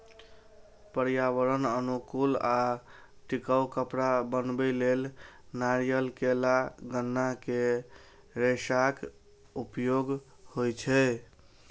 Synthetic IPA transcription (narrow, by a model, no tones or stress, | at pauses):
pəɾjaʋəɾənənukula | ʈikəwkəpɾabənbɛlelnaɾijəlkelaɡənːake | ɾesak | upjoɡ | hojt͡ʃʰɛ